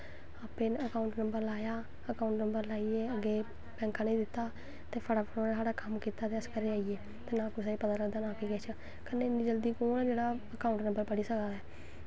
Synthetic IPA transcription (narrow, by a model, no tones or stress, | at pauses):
aːpeːnəkaːʊɳʈnəmbəɾlaːjaː | əkaːʊɳʈnəmbəɾlaːieːəɡːeː | bɛ̃ːŋkãːnẽĩːd̪ɪt̪ːaː | t̪eːpʰəɽaːpʰəɽoːnesaːɽaːkəmkiːt̪aːt̪eːəskəɾeːaːijeː | t̪eːnãːkʊsaːiːpət̪aːləɡd̪aːnãːkiːɡɛːt͡ʃʰ | kənːeːnĩːd͡ʒəld̪iːkoːnɛːd͡ʒeːɽaːəkaːʊɳʈnəmbəɾpəɽiːsəkd̪aːɛː